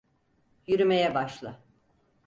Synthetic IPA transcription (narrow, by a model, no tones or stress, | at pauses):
jyɾymejɛbaʃlˠɯ